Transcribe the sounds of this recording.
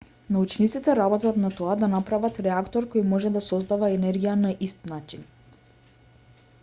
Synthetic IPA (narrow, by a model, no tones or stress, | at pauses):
naut͡ʃnit̪sit̪ɛɾabɔt̪at̪nat̪ɔad̪anapɾavat̪ɾɛakt̪ɔɾkɔjmɔʒɛd̪asɔzd̪avaɛnɛɾɡʲijanaʔist̪nat͡ʃin